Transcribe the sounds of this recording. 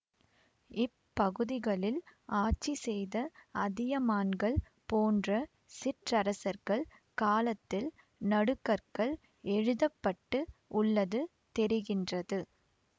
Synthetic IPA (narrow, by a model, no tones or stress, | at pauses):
ɪpːɐɣɯðɪɣɐɭɪlaːt͡ʃːisɛjðɐɐðɪjɐmaːnɡɐɭ | poːndrɐ | sɪʈrɐɾɐsɐɾɣɐɭ | kaːlɐt̪ːɪl | nɐɽɯkːɐɾkɐɭ | ɛɻɯðɐpːɐʈːɯʔʊɭːɐðɯ | t̪ɛɾɪɣɪndrɐðɯ